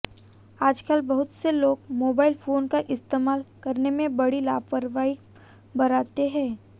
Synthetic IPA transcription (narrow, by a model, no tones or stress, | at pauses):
aːd͡ʒkaːlbɐɦʊt̪seloːɡmoːbaːɪlfoːnkaʔɪst̪eːmaːlkɐɾnemẽbɐɽilaːpəɾʋaːi | bɐɾaːt̪eɦɛ̃ː